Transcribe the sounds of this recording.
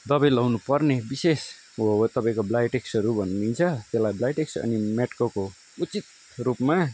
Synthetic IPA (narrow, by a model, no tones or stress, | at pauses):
d̪ʌbĩlʌwnupʌrnebises | t̪ʌpãĩkoblajʈeksʌɾubʱʌnnint͡sʰʌt̪elajblajʈeksʌ̰nimeʈkoko | ut͡sit̪̚ | ɾupma